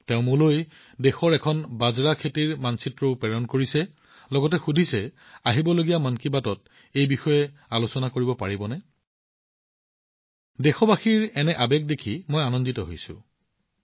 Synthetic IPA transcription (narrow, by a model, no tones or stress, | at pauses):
tɛʊ̃mʊloj | dexɔɹɛkʰɔnbazɹakʰetiɹmansitɹoʊpɛɹɔnkoɹisɛ | lɔɡɔtɛxudʱisɛ | aɦibɔloɡijamankibatɔt̚ | ejbixɔjɛalosɔnakoɹibɔpaɹibɔnɛ | dexɔbaxiɹɛnɛʔabɛk̚dekʰimojanɔnditɔɦo̰jsʊ̰̃